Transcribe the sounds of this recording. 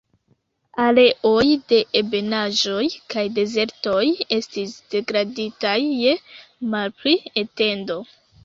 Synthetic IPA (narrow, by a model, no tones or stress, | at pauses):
ale̞ʔo̞jde̞ʔebe̞naʒo̞jkajde̞ze̞ɾto̞je̞stisd̥e̞ɡɾaditajːe̞malpliete̞ndo̞